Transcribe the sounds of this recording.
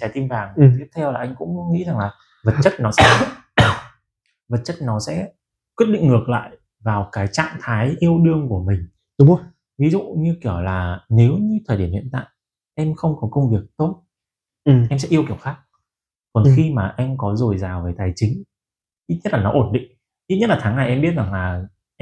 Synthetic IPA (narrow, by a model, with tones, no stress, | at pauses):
t͡ɕaː˨˩t̪i˧mvaː˨˩ŋ˨˩t̪i˦˥əp̚t̪ʰɛ˧wlaː˨˩ʔa˧ŋ̟kʊ̰˧˥ŋ͡mŋḭ˧˥za˨˩ŋlaː˨˩ | və˨˩t̚t͡ɕə˦˥t̚nɔ˨˦sɛ̰˧˥ | və˨˩t̚t͡ɕə˦˥t̚nɔ˨˦sɛ̰˧˥ | k̚wi˦˥t̚ɗḭ˧˨ŋŋɨ˨˩ək̚la̰ː˧˨j | vaː˨˩wkaː˨˦jt͡ɕa̰ː˧˨ŋt̪ʰaː˨˦jʔi˧əwɗɨ˧əŋku˧˩əmï˨˩ŋ̟ | ɗʊ˨˦ŋ͡m | vi˨˦zṵ˧˨ɲɨ˧ki˧˩əwlaː˨˩ne˨˦wɲɨ˧t̪ʰəː˨˩jɗi˧˩əhḭ˧˨ənt̪a̰ː˧˨j | ʔɛ˧mxə˧wŋ͡mkɔ˨˦kə˧wŋ͡mvi˨˩ək̚t̪o˦˥t̚ | ʔɛ˧ms̬ɛ̰˧˥ʔi˧əwki˧˩əwxaː˦˥k̚ | kɔ˨˩nxi˧maː˨˩ʔɛ˧mkɔ˨˦zo˨˩jzaː˨˩wveː˨˦t̪aː˨˩jt͡ɕï˨˦ŋ̟ | ʔi˦˥t̚ɲə˦˥t̚laː˨˩ɔ˨˦ʔo˧˩nɗḭ̈˧˨ŋ̟ | ʔi˦˥t̚ɲə˦˥t̚laː˨˩t̪ʰaː˨˦ŋna˨˩jʔɛ˧mɓi˦˥ət̚zaː˨˩ŋlaː˨˩